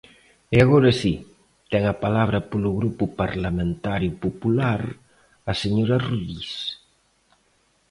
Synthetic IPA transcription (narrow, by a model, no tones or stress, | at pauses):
ɪaɣoɾasi | t̪ɛŋapalaβ̞ɾɐpolʊɣɾupʊpaɾlamẽnt̪aɾjʊpopulaɾ | ɐseɲoɾaruʎis